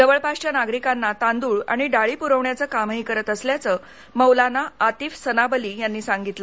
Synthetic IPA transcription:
d͡zəʋəɭpaʂt͡ɕjanaɡɾikãnːat̪ãnd̪uːɭa̰ɽ̃iɖaɭiːpuɾəʋɳjat͡səːkamɦiːkəɾət̪əsljat͡sə | məwlanaːt̪iːfsənabəliːjanːiːsaŋɡit̪lə

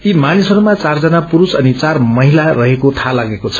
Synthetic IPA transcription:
imanisʌɾumat͡sard͡zʌnapuɾusʌnit͡sarmʌɦilarʌɦekot̪ʰalaɡekot͡sʰʌ̥

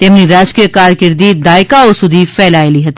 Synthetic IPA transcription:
t̪emniɾaːd͡ʒkikaːɾkəɾd̪id̪aːɪkaʊsud̪ifɛːlaːeliɦɐt̪ː

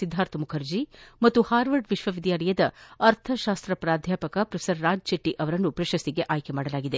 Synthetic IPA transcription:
id̪ʱːaːɾt̪ɐmukʰɐɾd͡ʒimɐt̪ːuhaːɾʋɐɾɖʋiʃʋɐʋid̪jaːlɐjɐd̪ɐɐɾt̪ʰɐʃaːst̪ɾɐpɾaːd̪ʱjaːpɐkɐpɾɐfʰe̥sɐɾːaːd͡ʒt͡ʃeʈːiʔɐʋɐɾɐnːupɾɐʃɐst̪iɡe̞ʔaːjkemaːɽɐlaːɡid̪e̞

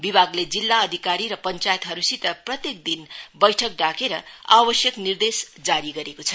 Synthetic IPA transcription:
bibʱaɡled͡zilːaʌd̪ʱikaɾiɾʌpʌnt͡sajt̪ɦʌɾusit̪ʌprʌt̪jek̚d̪inbʌjʈʰʌk̚ɖakeɾʌ̰a̰bʌsjʌknird̪esd͡zaɾiɡʌɾekot͡sʰʌ

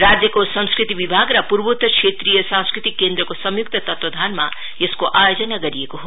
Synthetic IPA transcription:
ɾad͡zjəkosʌ̃nskɾit̪ibibʱaɡɾʌpuɾbut̪əksʰet̪ɾijəsãnskɾit̪ikːend̪ɾəkosʌmjukt̪ʌt̪ʌt̪wɐd̪ʱanma̰ | jeskoʔajod͡zənaɡʌɾijekoɦo

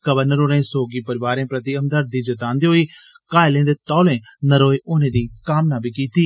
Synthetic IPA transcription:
kəʋəɾnəɾoːɾẽːsoːɡiːpəɾɪʋaːɾẽːpɾɐt̪iɐmd̪əɾd̪iːd͡ʒɐt̪ãːnd̪iːɦoiː | kaːelẽːnd̪eːt̪ɔːlẽː | nɐɾoːeʔoːnẽːd̪iːkaːmnaːbʱiːkiːt̪iː

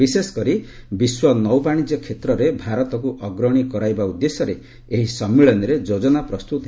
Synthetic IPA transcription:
isesɔ̥kɔɾi | biswɔnɔwbaɽ̃id͡ʒjɔkʰet̪ɾɔɾebʱaɾɔt̪ɔkuʔɔɡɾɔɽ̃ikɔɾajbaud̪ːesɔɾeː | ɦisɔmːiɭɔnɔɾed͡ʒod͡ʒɔnapɾɔst̪ut̪

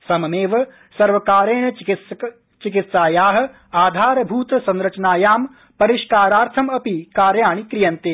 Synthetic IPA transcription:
sɐmɐmeːʋɐ | sɐɾʋɐkaːɾeːɳɐ | t͡ʃikit̪saːjaːɦɐ̆ | aːd̪ʱaːɾɐbʱuːt̪ɐsɐ̃nɾɐt͡ʃɐnaːjaːm | pɐɾiʃkaːɾaːɾt̪ʰɐmɐpikaːɾjaːɳikɾijɐnt̪eː

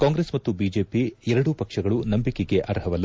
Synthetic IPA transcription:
kaːŋɡɾesmɐt̪ːubiːd͡ʒe̞ːpiɛɾɐɽupɐkʂɐɡɐɭunɐmbikeɡe̞ʔɐɾɦɐʋɐlː

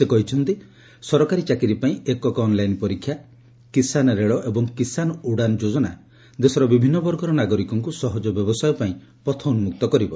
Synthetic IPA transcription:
sekɔɦit͡ʃʰɔnt̪i | sɔɾɔkaɾit͡ʃakiɾipaĩekɔkːnlajnpɔɾikʰːja | kisanɾeɭɔʔebɔŋkisanɔuɽanɔd͡ʒod͡ʒɔna | d̪esɔɾɔbibʱinːɔbɔɾɡɔɾɔnaɡɔɾikɔŋkusɔɦɔd͡ʒɔbjɔbɔsajɔpaĩ | pɔt̪ʰɔnmuk̚t̪ɔkɔɾibɔ

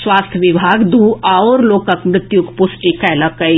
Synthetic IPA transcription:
swaːst̪ʰjəʋɪbʱaːɡd̪uːaoːɾloːkəkmɾɪt̪jʊkpʊsʈikɛːlɐkɐi

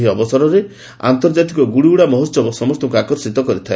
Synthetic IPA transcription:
ɦiɔbɔsaɾɔɾe | a̰nt̪ɔɾd͡ʒat̪ikɔɡuɽiuɽamɔɦɔsɔbɔsɔmɔst̪ɔkuakɔɾsit̪ɔkɔɾit̪ʰae

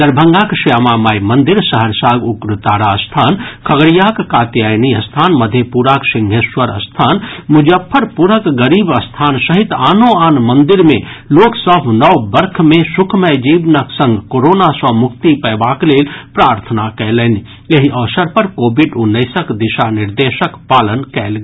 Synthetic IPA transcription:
d̪əɾbʱəŋɡakʃiamamaːjmənd̪iɾsəɦəɾsaːɡukɾut̪aːɽaəst̪ʰaːnkʰəɡɽijakkaːt̪jajniəst̪ʰaːnməd̪ʱjepuɾaksiŋɡʱeswəɾə̰st̪ʰaːnmud͡ʒəpʰːəɾpuɾəkɡəɾiːbəst̪ʰaːnsəɦit̪aːnoaːnmənd̪iɾmẽloːksəbʱnəwbəɾkʰmẽsukʰmɛd͡ʒiːbnəksə̃ŋɡkoɾoːnasəmʊkt̪ipɛbakleːlpɾaːɾt̪ʰənakɛləni | jeɦiʔəʋsəɾpəɾkoːbiɖʊnːəɪsəkd̪iʃanɪɾd̪eːʃəkpaːlənkɛːl

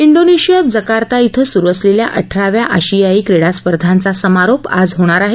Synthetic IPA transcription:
iɳɖoneɕijad͡zəkaɾt̪ait̪ʰəsuɾʋəslelja̰ʔəʈʰɾaʋjaʔəɕijaiːkɾeɽaspəɾd̪ʱant͡sasəmaɾopa̰d͡zɦoɽ̃aɾaɦe

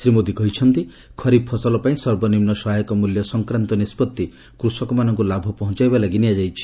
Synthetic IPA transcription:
sɾimod̪ikɔɦit͡ʃʰɔnt̪i | kʰɔɾipʰɔsɔlɔpaĩsɔɾbɔnimnɔsɔɦajkɔmuljɔsɔŋkɾant̪ɔnispɔt̪ːi | kɾusɔkɔmanɔŋkulabʱɔpɔɦɔ̃t͡ʃajbalaɡiniad͡ʒajt͡ʃʰi̥

